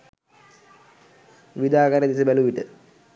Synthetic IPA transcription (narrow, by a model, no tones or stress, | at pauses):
ʋid̪aːkaɾəd̪isəbæluʋiʈə